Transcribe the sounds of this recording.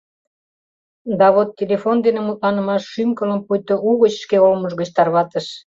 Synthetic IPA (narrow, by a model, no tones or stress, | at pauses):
d̪ɑβot̪ːelefond̪enemut̪̚lɑnəmɑʃːymkələ̆mpujt̪ouɣət͡ɕʃkeolməʒɣə̆t͡ɕt̪ɑrβɑt̪əʃ